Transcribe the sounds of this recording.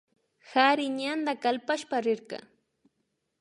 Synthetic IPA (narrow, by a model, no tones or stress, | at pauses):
haɾɪɲand̪akalpaʃpaɾɪɾkɑ̰